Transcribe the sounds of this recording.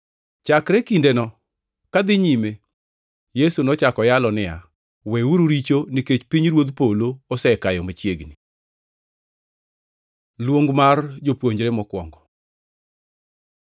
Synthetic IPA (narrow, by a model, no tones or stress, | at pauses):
t͡ʃakɾekindenɔ | kad̪ɪɲime | jesunɔt͡ʃakɔjalɔnɪa̰ | wɛuɾuɾit͡ʃoniket͡ʃpiɲɾwod̪poloːsɛkajɔmat͡ʃjeɡni | lwoŋɡmard͡ʒopwoɲd͡ʒɾemɔkwɔŋɡɔ